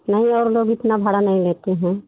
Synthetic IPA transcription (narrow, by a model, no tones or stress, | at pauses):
nɐɦĩɔːɾloːɡɪt̪nabʱaɽanɐɦĩleːt̪eɦɛ̃ː